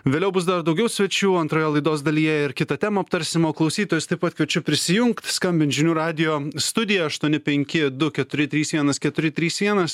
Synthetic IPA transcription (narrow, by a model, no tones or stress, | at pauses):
ʋʲeːlʲɛʊbʊs̬d̪ɐɾd̪ɐʊɡʲɛʊsʲʋʲɛt͡ʃʲuːɐnt̪ɾoːjɛːlˠɐɪd̪oːsd̪ɐlʲiːjɛɪɾkʲɪt̪ɐt̪ʲæːmɐɐp̚t̪ɐɾʲsʲɪmoːklˠɒʊsʲiːt̪oːjʊst̪ɐɪpɐt̪̚kʋʲɛt͡ʃʲʊpʲɾʲɪsʲɪjʊŋkt̪skɐmʲbʲɪnʒʲɪnʲuːɾɑːd̪ʲɪjoːst̪ʊd̪ʲɪjɛɐʃt̪uɔnʲɪpʲɛŋʲkʲɪd̪ʊkʲɛt̪ʊɾʲɪt̪ʲɾʲiːsʋʲiɛnɐskʲɛt̪ʊɾʲɪt̪ʲɾʲiːsʋʲiɛnɐs